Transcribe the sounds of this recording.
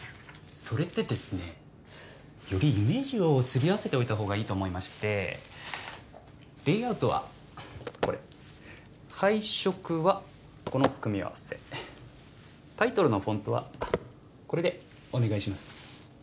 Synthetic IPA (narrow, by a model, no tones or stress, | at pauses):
so̞ɾe̞t̪ːe̞d̪e̞sɨne̞ | jo̞ɾʲiime̞ːʑio̞sɨɾʲiaβase̞t̪e̞o̞it̪aɦo̞ːɡaiːt̪o̞ːmo̞imaɕi̥t̪e̞ | b̥e̞ːaɯ̟t̪o̞βa̰ | ko̞ɾe̞ | haiɕo̞kɯ̟βa | ko̞nokɯ̟mʲia̰βa̰se̞̰ | t̪ait̪o̞ɾɯ̟no̞ɸõ̞nt̪o̞βa̰ | ko̞ɾe̞d̪e̞ | o̞ne̞ɡaiɕimasɨ̥